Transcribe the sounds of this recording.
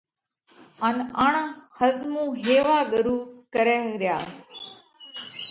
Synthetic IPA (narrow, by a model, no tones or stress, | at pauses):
anaːɳãːhəzmũːɦeːʋaːɠəɾuːkəɾeːɾɪjaː